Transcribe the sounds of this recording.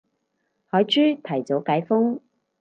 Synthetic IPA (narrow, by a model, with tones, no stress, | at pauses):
hɔː˨˥jt͡ʃyː˥t̪ʰɐ˨˩jt͡so˨˥wkaː˨˥jfʊ˥ŋ